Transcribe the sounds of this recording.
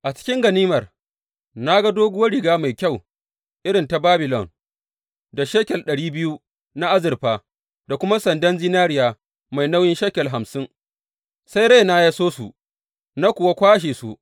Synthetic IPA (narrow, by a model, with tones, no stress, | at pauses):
ʔa˨t͡ʃɪ̥˦kʲɪ˦ŋɡɐ˨niː˦mɐ˨r | na˦ɡa˦doː˦ɡʊ˦wɐ˦ɽɪ˨ɡaː˦ma˨jkʲa˦˨w | ʔɪ˦ɽɪ˨nta˨baː˦bɪ˨lɔ˨n | da˨ʃeː˦kʲɛ˨lɗɐ˨ɽiː˦bɪ˦ju˦ | na˦ʔa˦zɪ˨rɸaː˨ | da˨kʷʊ˦ma˦sɐ˨ndɐ˦nd͡ʒɪ˦naː˦ɽɪ˦jaː˨ | ma˨jna˦wjɪ˦nʃa˦kʲɐ˨lɦa˨msɪ˦ŋ | sa˦jɽa˦jna˦ja˦soː˦su˨ | na˦kʷʊ˨wa˦kʷaː˦ʃ̬eː˨sṵ˨ʔ